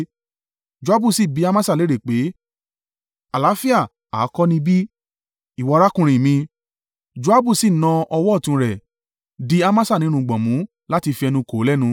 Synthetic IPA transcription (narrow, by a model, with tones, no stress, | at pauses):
d͡ʒu˧˨a˦bu˦˨si˦˨bi˨˦a˧mã˦sa˦˨le˨˦ɾe˦˨k͡pe˨˦ | a˨la˨˦fi˦a˦˨ | aː˨˦kɔ˦nĩ˧bi˦ | i˦˨wɔ˨˧ɾa˦kũ˧ɾ̃ĩ˨mĩ˧ | d͡ʒu˧˦a˦bu˦˨si˦˨nã˧ɔ˧wɔ˦˨tũ˧ɾɛ˨ | di˦a˧mã˦sa˦˨nĩ˨˦ũ˧˨ɡ͡bɔ̃˨mũ˨˦ | la˦ti˧fi˧ɛ˧nũ˧ko˨˦lɛ˦˨nũ˧